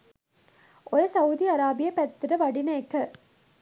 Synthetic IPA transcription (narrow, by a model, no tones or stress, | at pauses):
ʔɔɾɯsɐwʊd̪iɐɾaːbɪjɐpɛt̪ːɪɾɐʋɐɽɪnɐjkːɐ